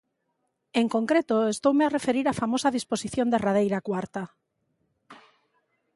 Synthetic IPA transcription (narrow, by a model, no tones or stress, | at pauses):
eŋkoŋkɾet̪oest̪owmearefeɾiɾafamosaðisposiθjond̪erað̞ejɾakwaɾt̪a